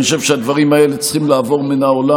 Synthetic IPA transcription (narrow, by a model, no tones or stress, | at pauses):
oʃe̞vʃead̪vaʁimae̞let͡sχimlaːvo̞ʁmenaola